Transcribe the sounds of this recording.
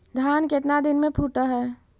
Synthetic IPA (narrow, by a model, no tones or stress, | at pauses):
d̪ʱjaːnkɪt̪nad̪ɪnmẽpʰuʈaɦɛː